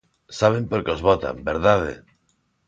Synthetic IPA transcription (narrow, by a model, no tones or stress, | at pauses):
saβ̞e̞mpoɾkeozβot̪a̰mbeɾðaðḛ